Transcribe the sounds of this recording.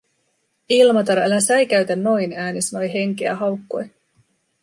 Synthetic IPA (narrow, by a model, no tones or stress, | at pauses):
ilmɑt̪ɑɾelæsæjk̟æɥt̪ænːo̞jnæːnisno̞jɦe̞ŋk̟eæ̰ɦɑwkːo̞̰j